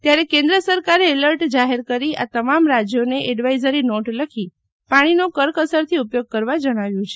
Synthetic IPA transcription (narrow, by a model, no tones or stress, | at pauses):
t̪jaɾekẽnd̪ɾəsəɾkaɾeːləɾʈd͡ʒaɦeɾkəɾia̰t̪əmamɾad͡ʒjoneʔeɖʋaizəɾinoʈləkʰi | paɽ̃inokəɾkəsəɾt̪ʰiupjoɡ̚kəɾʋad͡ʒəɽ̃aʋjũt͡ʃʰe